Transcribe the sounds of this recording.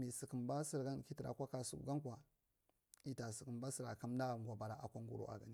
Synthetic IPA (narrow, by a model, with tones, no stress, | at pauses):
mi˨si˨kə˨mba˦si˦ɾɡa˦nki˦ti˨ɾa̰˨kʷa˦ka˨sṵ˦kɡa˦ŋkʷa˨ | i˦ta˨si˨kə˨mba˦si˦ɾa˨ka˦mna˦ŋɡʷa˨ba˨ɾa˨a˨kʷa˦ŋɡṵ˦˨ɾo̰˨a̰˨ɡa̰˨ni˦